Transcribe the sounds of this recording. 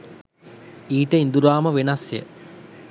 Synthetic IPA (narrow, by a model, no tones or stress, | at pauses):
iːʈəind̪uɾaːməʋenasjə̰